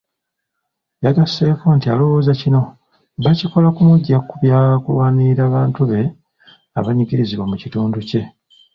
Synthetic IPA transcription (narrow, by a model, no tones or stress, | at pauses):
jaɡasːe̞ːfuːntialo̞wo̞ːzacino̞ | βaciko̞lakumuɟːakuβjaːkulwaːniɾaːβaːntuβe̞ | a̰βaɲikiɾiziβwamucituːnduce̞